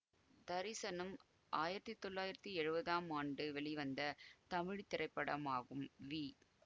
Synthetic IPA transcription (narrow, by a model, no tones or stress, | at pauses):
d̪ɐɾɪsɐnɐm | ʔaːjɪɾɐt̪ːit̪ːɔɭːaːjɪɾɐt̪ːiɛɻɯbɐðaːmaːɳɖɯʋɛɭiʋɐnd̪ɐt̪ɐmɪɻit̪ːɪrɐɪpːɐɽɐmaːɣɯmʋiː